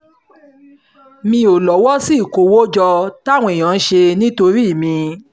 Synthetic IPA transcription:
mĩ˧o˨lɔ˨wɔ˦si˦˨ko˨wo˦d͡ʒɔ˧ta˦˨wɔ̃˧˨j̃ã˨˦n̩˦ʃe˧nĩ˦to˧ɾi˦˨mĩ˧

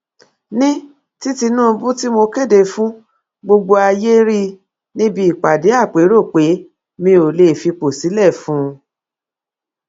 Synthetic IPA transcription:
nĩ˦ | ti˦ti˧nũː˦˨˧bũ˦ti˦mo˧ke˦˨de˧fũ˦ | ɡ͡bo˧ɡ͡bo˧a˧je˦ɾi˦˧ | nĩ˦bi˧i˨k͡pa˨de˨˦a˦˨k͡pe˨˦ɾo˦˨k͡pe˨˦ | mĩ˧o˨le˨fi˧k͡po˨si˨˦lɛ˦˨fũ˦˧

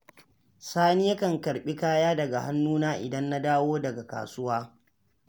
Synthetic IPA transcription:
saː˦nɪ˦jɐ˦kɐ˨ŋkɐ˨ɽɓi˦kaː˦jaː˦dɐ˨ɡa˨ha˦nːuː˦naː˦ʔɪ̰˨dɐ˦nːa˦daː˦woː˦dɐ˨ɡa˨ka̰ː˨sʊ˦waː˦

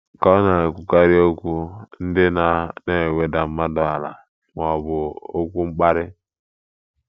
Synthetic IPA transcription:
kɔ˦na˨e˨kʷu˦ka˦ɾi˦o˦kʷu˦n̩˦dɪ˦na˨ne˨we˦da˨m̩˦ma˦dɔ˨a˨la˨ | ŋ˨ɔ˨bʊ˨o˦kʷu˦ŋ͡m̩˦k͡pa˦ɾɪ˦

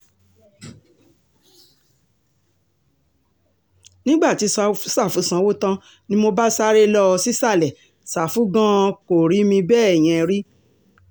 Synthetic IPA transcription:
nĩ˦ɡ͡ba˦˨ti˨˦ssa˦˨fu˧˦sã˨˦wo˦tã˦ | nĩ˦mo˧ba˦sa˦ɾe˦lɔ˦ɔ˧si˦sa˦˨lɛ˨ | sa˨fu˨˦ɡã˦˧ko˨ɾi˨˦mĩ˧bɛː˦ɛ˨j̃ɛ̃˧ɾi˦

